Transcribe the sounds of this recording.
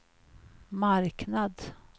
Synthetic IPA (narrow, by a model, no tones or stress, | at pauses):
maɾknad̪